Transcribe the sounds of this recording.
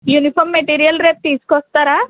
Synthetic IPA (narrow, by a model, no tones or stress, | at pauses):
junipʰɔɾmːeʈiɾijɐlɾep̚ʈiskɔst̪ɐɾa